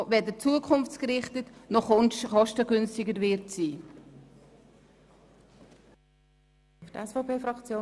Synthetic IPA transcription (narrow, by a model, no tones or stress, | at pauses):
vɛdət͡suəkʰʊnft͡skɾɪχtətnɔχɔnʃχɔʃtəɡʏnstɪɡəɾvɪɾtsiː | ftɛsfɔʊpʰeːfɾɑkt͡sjoː